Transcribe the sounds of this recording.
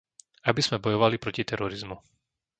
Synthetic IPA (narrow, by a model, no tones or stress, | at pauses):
abiz̥mɛbɔjɔʋalipɾɔcit̪ɛɾɔɾizmu